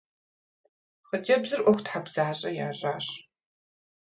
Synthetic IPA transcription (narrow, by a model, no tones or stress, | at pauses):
χəd͡ʒɐbzɨrʔʷɔxʷtħabz̥aːɕʼɐja̰ːɕʼaːɕ